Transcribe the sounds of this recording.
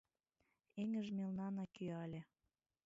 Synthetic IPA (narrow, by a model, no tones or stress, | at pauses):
eŋə̆ʒmelnɑnɑkyɑlʲe